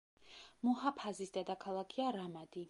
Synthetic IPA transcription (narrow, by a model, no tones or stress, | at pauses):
muhapʰazisd̪ad̪akʰalˠakʰiaɾamad̪i